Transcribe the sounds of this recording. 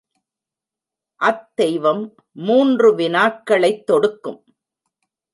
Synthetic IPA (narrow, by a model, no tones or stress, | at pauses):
ʔɐt̪ːɛɪʋɐmː | uːndrɯʋɪnaːʈkːɐɭɐɪt̪ːɔɽɯkːɯm